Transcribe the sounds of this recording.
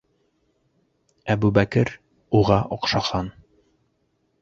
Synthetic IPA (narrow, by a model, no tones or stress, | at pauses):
æbʉbækɘɾ | uʁɑʔɒqʃɑχɑn